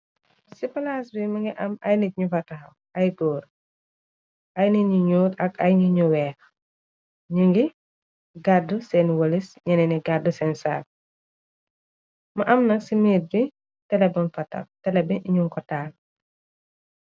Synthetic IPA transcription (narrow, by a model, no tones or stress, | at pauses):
sipɐlaːsbimɐŋɡiʔɐmɐjnit̚ɲufɐtɐxɐw | ɐjɡɔːɾ | ʔɐjniɲuɲuːtɐkɐjɲuɲuwɛːx | ɲiŋɡi | ɡadusɛnwɔlisɲɐnɛniɡadusɛnsaːl̚ | mɐʔɐmnɐksimeːt̚bi | tɛlɛbɐnfɐtɐ̰ftɛlɛbiʔiɲuŋkɔtːaːl